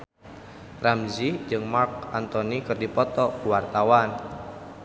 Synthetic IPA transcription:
ramzid͡ʒɨŋmark̚ant̪ɔnikɨrdipɔt̪ɔkuwart̪awan

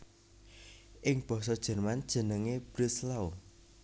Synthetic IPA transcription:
ʔɪŋb̥ɔ̤s̬ɔd̥ʒ̥ə̤rmand̥ʒ̥ə̤nəŋeb̥ɾislao

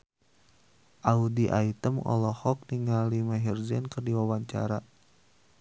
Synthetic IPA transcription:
ʔaudiʔait̪əmɔ̰lɔhɔk̚niŋalimaɦird͡ʒɛnkərdiwawaɲt͡ʃa̰ɾa

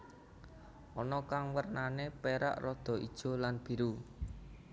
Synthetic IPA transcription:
ʔɔnɔkaŋwərnanepeɾa̰ʔrɔd̪̥ɔ̤id̥ʒ̥o̤lanb̥i̤ɾu

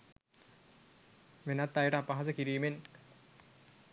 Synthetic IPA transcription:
ʋenat̪ːajəʈəapaɦas̬əkiɾiːmen

